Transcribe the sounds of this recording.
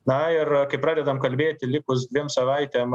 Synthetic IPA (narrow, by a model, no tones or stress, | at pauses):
nɐɪrkɐɪpɾɑːd̪ʲɛd̪ɐmkɐlʲbʲeːt̪ʲɪlʲɪkʊs̬d̪ʋʲiɛmsɐʋɐɪt̪ʲɛːm